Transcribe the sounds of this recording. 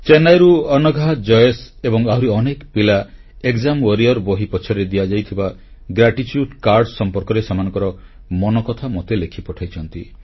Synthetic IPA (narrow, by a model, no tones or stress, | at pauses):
t͡ʃenajɾuɔnɔɡʱaɦd͡ʒɔjes | ebɔŋaɦuɾiɔnekpila | ekd͡ʒamwɔɾiɔɾboɦipɔt͡ʃʰɔɾed̪ijad͡ʒajt̪ʰiba | ɡɾaʈit͡ʃjuɖkaɾɖsɔmpɔɾkɔɾesamanɔ̃ŋkɔɾɔ | mɔnɔkɔt̪ʰamot̪elekʰipɔʈʰajt͡ʃʰɔnt̪i